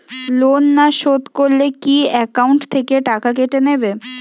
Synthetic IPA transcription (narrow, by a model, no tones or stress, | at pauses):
lonːaʃot̪koɾlekiɛkauɳʈt̪ʰekeʈakakeʈenebe